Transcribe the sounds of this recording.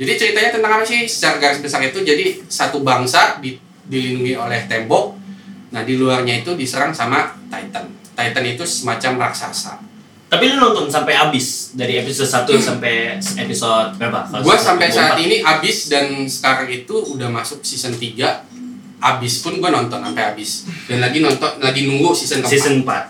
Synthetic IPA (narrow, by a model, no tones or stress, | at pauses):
d͡ʒadit͡ʃəɾit̪aɲat̪ənt̪aŋapasɪhsə̥t͡ʃaɾaɡaɾɪsbəsaŋit̪ud͡ʒadisat̪ubaŋsadi | dilinduŋiolɛht̪ɛmbɔk̚nahdiluarɲait̪udisəɾaŋsamat̪ait̪ən | t̪ait̪ənit̪usəmat͡ʃamraksa̰sa̰ | t̪apilunɔnt̪ɔnsampajabɪsdaɾiepisɔd̪̚sat̪usampɛjepisodt̪̚peapa̰aɡuasampajsaat̪iniɦabɪsdansə̥kaɾaŋit̪uːdahmasʊksisənt̪iɡa | ʔabɪspʊnɡuanɔnt̪ɔnampajabɪsdanlaɡinɔnt̪ɔnlaɡinuŋɡusisənkəsisənmpat̪̚